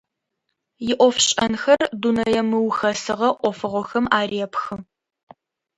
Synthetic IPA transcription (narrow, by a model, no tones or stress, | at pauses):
jɪʔʷɔfɕʼɐnxɐrdunɐjɛmɨwxɐsɨʁɐʔʷɔfɨʁʷɔxɐmaːreːpxɨm